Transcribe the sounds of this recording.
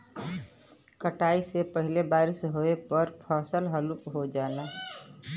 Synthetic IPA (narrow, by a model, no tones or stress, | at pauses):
kəʈaːisepəɦɪlebaːɾɪsɦoepəɾpʰɔːsəlɦəlupɦod͡ʒaːna